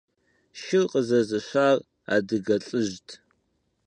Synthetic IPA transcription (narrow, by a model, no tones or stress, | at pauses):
ʃɪlqʼəzɐzɨɕʷaːr | a̰ːdɨɡɐɬʼɨʒtʰ